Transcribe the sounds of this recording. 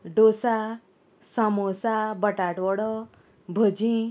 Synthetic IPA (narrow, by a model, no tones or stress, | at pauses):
ɖosa | samosabəʈaʈwɔɽɔ | bʱəd͡ʑĩ